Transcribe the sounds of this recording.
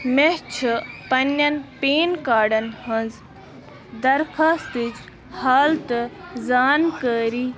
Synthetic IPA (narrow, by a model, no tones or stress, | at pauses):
meɦt͡ʃʰɨpɐnːɐnpeːnkaːɖɐnɦɐnz | d̪ɐɾkʰaːst̪it͡ʃ | haːlt̪ɨzaːnkəːɾiː